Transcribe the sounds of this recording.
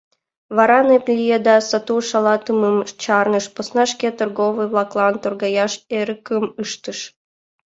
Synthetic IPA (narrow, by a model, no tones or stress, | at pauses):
βɑɾɑneplʲijed̪ɑsɑt̪uʃɑlɑt̪əməmt͡ɕɑrnɤʃposnɑʃkʲet̪ɨrɣovɨjvlˠɑklˠɑnt̪orɡɑjɑʃeɾəkəmɯʃt̪əʃ